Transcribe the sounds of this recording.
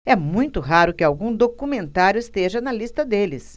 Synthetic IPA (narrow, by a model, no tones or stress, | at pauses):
ɛmũj̃t̪ʊɦaɾʊkɪawɡũd̪okumẽnt̪aɾjʊɪst̪eʒɐnɐlist̪ɐd̪elɪs